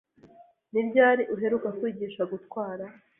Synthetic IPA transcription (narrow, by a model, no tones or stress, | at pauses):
nibɟaːɾiʔuɦe̞ɾukakwiːɟiːʃaɡutkwaːɾa